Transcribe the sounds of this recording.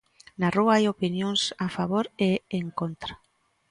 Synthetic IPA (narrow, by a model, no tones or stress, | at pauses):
naruaajopinjoŋsafaβoɾeeŋkont̪ɾa